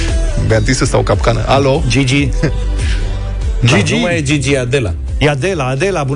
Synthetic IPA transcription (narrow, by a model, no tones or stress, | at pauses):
bat̪isəsawkapkanə̰ʔalod͡ʒid͡ʒi | nid͡ʒumajed͡ʒid͡ʒijad̪ela̰ | jad̪elad̪elabu